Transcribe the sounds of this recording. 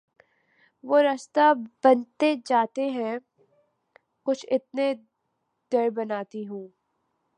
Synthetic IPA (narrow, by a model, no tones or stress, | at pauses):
ʋoːɾɐst̪abɐnt̪ed͡ʒaːt̪eɦɛ̃ | kʊt͡ʃʰɪt̪ne | d̪̥ɐɾbɐnaːt̪iɦũː